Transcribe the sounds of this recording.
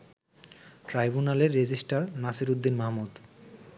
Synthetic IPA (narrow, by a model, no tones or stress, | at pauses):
ʈɾajbunaleɾːed͡ʑisʈaɾnasiɾud̪ːinmaɦmud̪